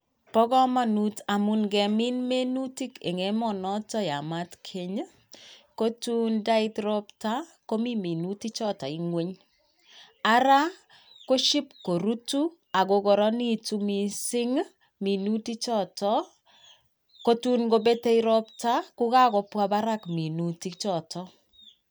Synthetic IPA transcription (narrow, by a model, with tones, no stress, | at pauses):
pɔ˦kɔ˦ma˨nuta˨mu˨nɡɛ˨mi˦nme˦nu˦ti˦ke˨ŋe˦mɔ˨nɔ˦tɔ˦ja˨matkʰe˨ɲ | ko˦tu˦nda˦ɪ˦tɾɔpta˦ko˦mi˦mi˨nuti˦t͡ʃɔ˦tɔ˨i˦ŋwe˦ɲ | a˦ɾa˦ | ko˦ʃi˦p̚ko˨ɾu˦tu˦ | a˨ko˨kɔ˨ɾɔ˦ni˦tu˦mi˨sɪ˦ŋ | mi˨nu˦ti˦t͡ʃɔ˦tɔ | ko˦tu˦nɡo˦be˦te˦iɾɔ˦p̚ta˦kʊ˦ka˦kɔ˨pwa˦ba˦ɾa˦kmi˨nu˨ti˦k̚t͡ʃɔ˨tʰɔ˦